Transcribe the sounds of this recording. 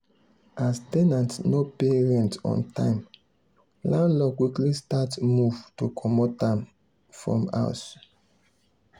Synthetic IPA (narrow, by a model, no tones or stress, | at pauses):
ʔastɛnãntnopeɹɛ̃ntɔ̰̃ntʰã̰ɪ̃m | lãnlɔkwiklistatmuv̥tokʰɔmotãm | fɹɔ̰̃ma̰ʊs